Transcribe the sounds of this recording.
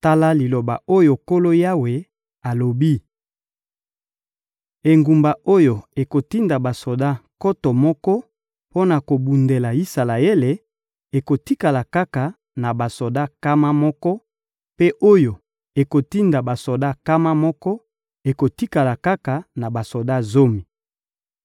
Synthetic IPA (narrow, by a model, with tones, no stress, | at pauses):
ta˦la˦li˨lo˨ba˨o˦jo˨ko˦lo˦ja˦we˨ | a˨lo˨bi˦ | e˨ŋɡu˨mba˨ʔo˦jo˨e˨ko˨ti˦nda˨ba˨so˨da˦ko˦to˨mɔ˦kɔ˦ | po˦na˨ko˨bu˨nde˨la˨i˦sa˨la˨e˦le˨ | e˨ko˨ti˦ka˨la˨ka˦ka˨ | na˨ba˨so˨da˦ka˦ma˦mɔ˦kɔ˦ | pe˦ʔo˦jo˨ | e˨ko˨ti˦nda˨ba˨so˨da˦ka˦ma˦mɔ˦kɔ˦ | e˨ko˨ti˦ka˨la˨ka˦ka˨na˨ba˨so˨da˦zo˦mi˨